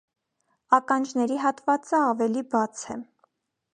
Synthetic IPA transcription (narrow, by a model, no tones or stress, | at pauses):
ɑkɑnd͡ʒnɛɾiɦɑt̪vɑt͡səɑvɛlibɑt͡sʰɛ